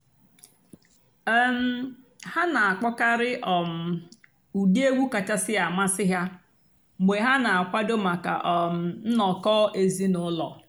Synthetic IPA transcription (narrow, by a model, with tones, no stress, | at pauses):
m̩˦ | ha˦na˨a˨k͡pɔ˦ka˦ɾɪ˦ʔɔ˨m̩˨ | u˨di˦e˦ɡʷu˦ka˨t͡ʃa˦sɪ˦a˨ma˦sɪ˦ɦja˦ | ɡ͡be˨ɦa˦na˨a˨kʷa˦do˦ma˨ka̰˨ʔɔ˨m̩˨n̩˦nɔ˨kɔː˦e˨zi˦nʊ˨˦lɔ̰˨